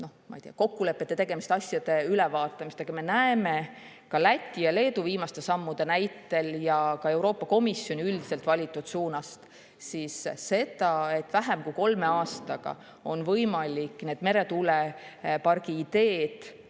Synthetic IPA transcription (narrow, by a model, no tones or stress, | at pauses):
no̞hmɑ̰ijt̪ijɑko̞kːule̞pːˑe̞t̪ːe̞t̪e̞ɡ̥e̞mist̪ɑsʲjɑd̪̥e̞ylevɑːt̪ːˑɑmist̪eɡ̥ɑme̞næeme̞ | kɑlæt̪ʲˑːijɑle̞ːd̪uviːmɑst̪e̞sɑmːud̪̥enæjt̪ːˑe̞ljɑkɑe̞wɾo̞ːpːˑɑko̞misːjo̞nʲiyld̪̥ise̞lt̪vɑlʲit̪ːˑud̪̥suːnɑst̪ | sisse̞d̪̥ɑe̞t̪ːvæɦemkujko̞lme̞ɑːst̪ɑɡ̥ɑ̰ | o̞nvɤjmɑlʲikne̞ːd̪̥me̞ɾe̞t̪ulepɑrɡ̥iːd̪̥e̞ːd̪̥